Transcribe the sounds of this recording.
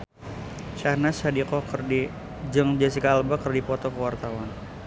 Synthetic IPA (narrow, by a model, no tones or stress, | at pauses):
ʃahnashadikɔkrdi | d͡ʒɨŋd͡ʒasikaːlbakərdipɔt̪ɔkəwart̪awan